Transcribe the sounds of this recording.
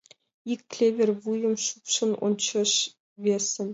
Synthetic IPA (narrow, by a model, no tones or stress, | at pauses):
ikʲːlʲevʲervujɤ̆mʂupʂɤ̆nṵnt͡ɕɤ̆ʂ | vʲesʲːɘ̆nʲ